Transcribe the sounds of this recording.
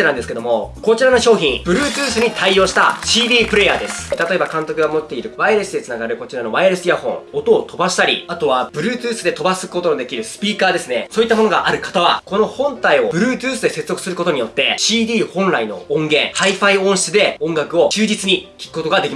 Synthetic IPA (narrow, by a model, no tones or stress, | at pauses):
eãnd̪esɨ̥ked̪o̞mo̞ko̞t͡ɕiɾano̞ɕo̞ːçʲĩŋb̥ɯ̟ɾɯ̟ːt͡sɨːsɨɲ̟it̪ʰaioːɕi̥t̪a̰ɕiːd̪ʲiːpɯ̟ɾe̞jad̪e̞sɨɨ̥t̪at̪o̞e̞bakãnt̪o̞kɯ̟ɡamo̞t̪ːe̞iɾɯ̟βaiɾesɨd̪et͡sɨnaɡaɾɯ̟ko̞t͡ɕiɾano̞βaiɾesɨjahõ̞ɴ̃ot̪oːt̪ʰo̞baɕi̥t̪aɾʲḭat̪o̞βabɯ̟ɾɯ̟ːt͡sɨːsɨd̪e̞t̪o̞basɨkɯ̥ko̞t̪onod̪e̞kʲiɾɯ̟sɨ̥pʲiːkaːd̪e̞sɨne̞soːit̪ːamo̞no̞ɡaʔaɾɯ̟kḁt̪aβa̰ko̞no̞hõ̞nt̪aiobɯ̟ɾɯ̟ːt͡sɨːsɨd̪e̞se̞t͡sɨzo̞kɯ̟sɨɾɯ̟ko̞t̪o̞ɲ̟ijo̞t̪ːe̞ɕiːd̪ʲiːhõ̞nɾaino̞̰õŋɡẽ̞haiɸaiõɰ̃ɕi̥t͡sɨd̪e̞õ̞ŋɡakɯ̟o̞t͡ɕɨːd͡ʑit͡sɨɲ̟ikʲi̥kɯ̟ko̞t̪o̞ɡad̪ekʲima